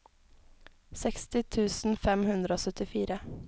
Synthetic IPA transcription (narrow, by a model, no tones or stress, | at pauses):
sɛkst̪ɪt̪ʰʉːsn̩fɛmhʉnd̪ɾəoːsœt̪ɪfiːɾə